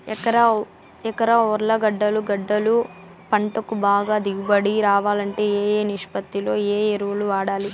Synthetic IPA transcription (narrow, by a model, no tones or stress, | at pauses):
ɛkːɐɾɐ | ɛkɐɾɐɔɾɐlɐɡɐɖːɐluɡɐɖːɐlu | pɐɳʈɐkubaːɡaːd̪iɡubɐɽiɾaːʋaːlɐɳʈe̞ːeːjeːniʂpɐt̪ːilo̞ːeːeɾuʋɐluʋaːɽaːli